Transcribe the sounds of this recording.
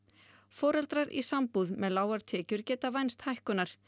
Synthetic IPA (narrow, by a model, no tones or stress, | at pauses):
fɔːɾɛlt̪ɾaɾʔḭsampuðmɛðlaːwaɾ̥t̪ʰɛːcʏɾ̥cɛːt̪avajnst̪hajhkʏnːaɾ̥